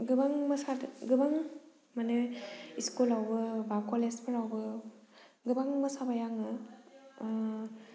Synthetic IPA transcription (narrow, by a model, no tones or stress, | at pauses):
ɡɯbaŋməsadɡɯbaŋ | manɯiskulawbɯbakɔlespʰɯɾawbɯ | ɡɯbaŋməsabajaŋɯ